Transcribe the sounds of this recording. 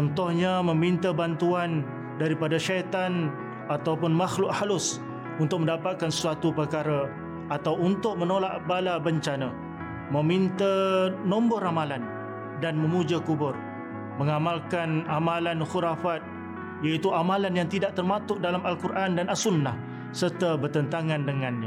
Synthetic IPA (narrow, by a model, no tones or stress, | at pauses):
t͡ʃɔnt̪ɔhɲamə̃mint̪əbant̪uan | daɾipadaʃat̪an | at̪awpʊnmaxlʊʔhalʊs | unt̪ʊk̚mə̃ndapat̪̚kansə̥suat̪upərkaɾə | at̪awunt̪ʊk̚mənolaʔbalabəɲt͡ʃana | mə̃mint̪ənɔ̃mbɔɾamalan | danməmud͡ʒakubʊr | məŋamalkanamalanxuɾafat̪̚ | jait̪uamalanjaŋt̪idaʔt̪ərmat̪ʊʔ̚dalamalkurʔandanʔalsunːah | sərt̪abərt̪ənt̪aŋandəŋanɲa